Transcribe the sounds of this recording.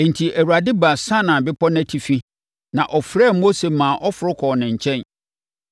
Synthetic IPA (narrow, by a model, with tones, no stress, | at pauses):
n̩˨tʰi˨ʔæ˨wa˨dɪ˦ba˨sã˦nã˨bɪ˦pʰɔ˦næ̃˦tʰi˨fi˦ | nã˨ʔɔ˨fɾɛ˦˨mo˦se˨mãː˨ʔɔ˦fʊ˨ɾʊ˦kʰɔ˨nɪ̃˨ɲ̩˨t͡ɕʰɛ̃˦n